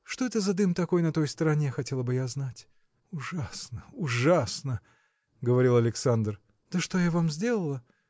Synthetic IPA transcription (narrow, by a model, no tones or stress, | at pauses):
ʂt̪o̞ɛt̪əzɐd̪ɨmt̪ɐko̞jnɐt̪o̞jst̪əɾɐnʲexɐtʲe̞lˠəbɨjaznatʲ | ʊʐasnəʊʐasnə | ɡəvɐɾʲilˠɐlʲɪksand̪r | d̪̥əʂt̪o̞javamzʲdʲe̞lˠəlˠə